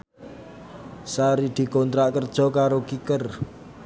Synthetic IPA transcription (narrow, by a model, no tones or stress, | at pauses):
saɾid̪̥i̤kɔnt̪ɾaʔkərd̥ʒ̥ɔ̤kaɾokikər